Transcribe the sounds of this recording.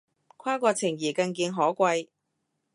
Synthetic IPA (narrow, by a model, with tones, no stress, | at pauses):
kʷʰaː˥kʷɔː˧t͡sʰɪ˨˩ŋjiː˨˩kɐ˧ŋk̬iː˧nɦɔː˨˥kʷɐ˧j